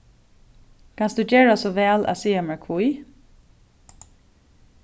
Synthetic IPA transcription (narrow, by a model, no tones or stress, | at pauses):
kʰɑnsd̪ʉːc͡çeːɹasɔʋɛːlʔɑ̰siːɛmæɹkʰuiː